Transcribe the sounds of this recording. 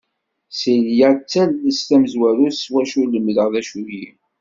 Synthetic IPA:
siljæt͡sːælːəst̪æmzwæɾuswæʃuləmðəʁðæʃuɾji

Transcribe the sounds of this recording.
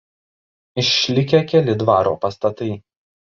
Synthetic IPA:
ɪʃʲːlʲɪkʲɛkʲɛlʲɪd̪ʋɑːɾoːpɐst̪ɐt̪ɐɪ

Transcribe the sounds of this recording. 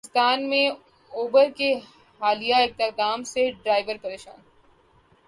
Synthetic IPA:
ɪst̪aːnmẽ | oːbəɾke | haːlijaɪk̚t̪ɪk̚d̪aːmseɖɾaːɪʋəɾpɐɾeːʃã̰ːn

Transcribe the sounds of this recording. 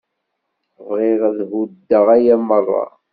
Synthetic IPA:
vʁiʁðhud̪ːəʁæjæmərˤːɑ̰

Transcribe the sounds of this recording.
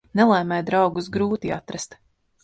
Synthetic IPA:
nɛlˠɛjmʲɛjd̪ɾɑwɡusɡɾuːt̪ia̰t̪ɾɛst̪

